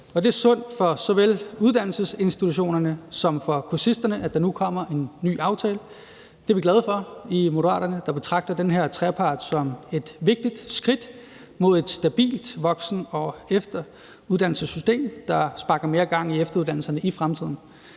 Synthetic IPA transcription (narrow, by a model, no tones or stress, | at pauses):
ɒ̽d̥e̝æɐsɔ̽n̰d̥fɒ̽sɒ̽ʋeluð̞ˠd̥æn̰l̩səse̝nsd̥it͡sʰuɕo̝̰ːnɐnəsɒ̽mfɒ̽kʰusisd̥ɐnəʔæd̥ɑ̈nukʰɒ̽m̰ɐʔe̝nːy̰ːɑ̈ʊt͡sʰɛːlə | d̥eɐʋiɡlæð̞ˠfɒ̽imo̝dəʁɑ̰ːɾ̥ɐnəd̥ɑ̈b̥e̝t͡sʰʁɑ̈ɡ̥̚d̥ɐd̥enɦeɐ̰t͡sʰʁɛpʰɑ̈ːd̥sɒ̽me̝d̥ʋe̝ɡ̥̚d̥id̥sɡ̥ʁid̥ | mo̝ð̞̰ˠe̝d̥sd̥æb̥ḭːld̥ʋɒ̽ɡ̥sn̩ɒ̽efd̥ɐ | uð̞̥ˠæn̰l̩səsysd̥e̝̰ːmd̥ɑ̈sb̥ɑ̈ɡ̥ɐme̝ːɐɡ̥ɑ̈ŋ̰iefd̥ɐuðˠd̥ænl̩sɐnəʔifʁamt͡sʰið̞̰ˠn̩